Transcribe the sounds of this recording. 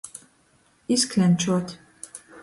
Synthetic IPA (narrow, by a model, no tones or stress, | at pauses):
isklɛnt͡ʃot̪